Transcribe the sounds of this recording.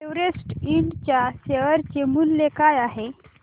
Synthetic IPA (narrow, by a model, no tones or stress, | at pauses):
eʋɾesʈiɳɖt͡ɕjaseʋəɾt͡ɕemulːekajaɦe